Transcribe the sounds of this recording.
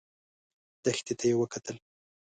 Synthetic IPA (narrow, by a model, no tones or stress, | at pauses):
d̪̥əxt̪et̪ʰajewəkat̪əl